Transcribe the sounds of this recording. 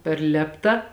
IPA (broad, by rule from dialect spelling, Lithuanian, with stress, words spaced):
pʲɛr ˈlʲeːptɐ